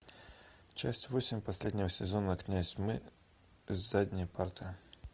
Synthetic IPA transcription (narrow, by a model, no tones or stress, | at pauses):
t͡ɕæ̰sʲtʲvosʲɪmʲpɐsʲlʲedʲnʲɪvəsʲɪzo̞nəknʲæsʲmɨ | zzadʲnʲɪjpart̪ɨ